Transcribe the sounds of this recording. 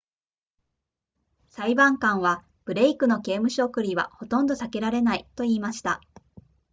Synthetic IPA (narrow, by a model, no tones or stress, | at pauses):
saibãŋkãɰ̃βa | b̥ɯ̟ɾe̞ikɯ̟no̞ke̞ːmɯ̟ɕo̞ːkɯ̟ɾʲiβa̰ho̞t̪õ̞nd̪o̞sake̞ɾaɾe̞nait̪o̞iːmaɕi̥t̪a